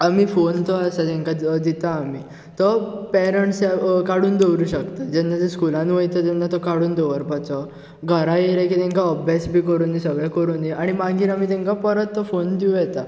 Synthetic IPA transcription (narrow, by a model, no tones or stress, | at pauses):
amiːfont̪ɔasat̪ẽŋkad̪it̪aːmi | t̪əpɛɾəɳʈsakaɽuːnd̪ewɾuːɕəkt̪ad͡ʑɛnːad͡z̪ẽskulãnʋəjt̪ət̪ɛnːat̪ɔkaɽuːnd̪eʋəɾpat͡sɔ | ɡʱəɾajeɾəkit̪ẽŋkaəbʱjasbiːkəɾuːnisəɡɭakəɾuːniaɽ̃imaɡʱiːɾamiːt̪ẽŋkapəɾət̪ːəfond̪iũjɛt̪a